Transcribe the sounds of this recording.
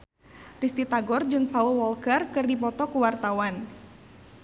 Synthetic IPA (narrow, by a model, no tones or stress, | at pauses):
rist̪it̪aɡɔrd͡ʒɨŋpaulwɔlkɛrkɨrdipɔt̪ɔkuwart̪awan